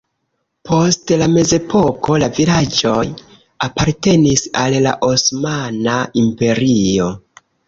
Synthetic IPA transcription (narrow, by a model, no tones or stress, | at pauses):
pʰo̞stlame̞ze̞po̞ko̞lavilad͡ʒo̞j | apaɾte̞nisalla̰ʔosmanaimpe̞ɾio̞